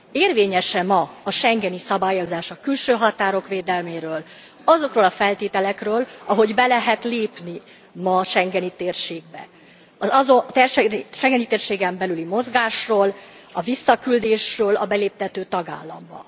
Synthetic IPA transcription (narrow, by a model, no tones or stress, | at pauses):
eːrveːɲɛʃɛmɒɒʃɛŋɡɛnisɒbaːjo̞zaːʃɒkylʃøːɦɒt̪aːɾo̞kʋeːd̪ɛlmeːɾøːl | ɒzo̞kroːlɒfɛlt̪eːt̪ɛlɛkrøːlɒɦo̞ɟbɛlɛɦɛt̪leːpni | mɒʃɛŋɡɛnit̪eːrʃeːɡ̚bɛ̰ | ɒzɒzot̪ɛrʃʃɛŋɡɛnit̪eːrʃeːɡɛmbɛlylimo̞zɡaːʃroːl | ɒvisːɒkyld̪eːʃrøːlɒ̰bɛleːp̚t̪ɛt̪øːt̪ɒɡa̰ːlːɒ̰mbɒ̰